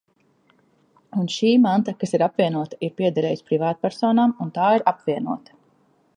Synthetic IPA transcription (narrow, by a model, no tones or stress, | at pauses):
unʃiːmant̪akasiɾapviɛnuɔt̪ḁiɾpʲiɛd̪aɾɛːjispɾivaːt̪̚pʲæɾsɔːnaːmunt̪aːiɾapvʲiɛnuɔt̪ḁ